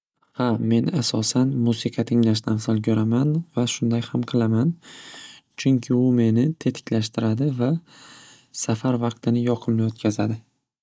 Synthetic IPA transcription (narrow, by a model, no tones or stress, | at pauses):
hame̞nasɒsanmusiqʰɑt̪ʰɪŋlaʃt̪ansalˠkʲʰɵɾamanvaʃʊnd̪ajhamqʰɨlˠaman | t͡ʃʰʊŋkʲʰɪʊme̞nɪt̪ʰe̞t̪ʰɪ̥kʲʰlaʃt̪ɪɾad̪ɪva | safaɾvɑq̚t̪ʰɪnɪjɒqʰɨlmɪjot̪̚kʲʰazad̪ɪ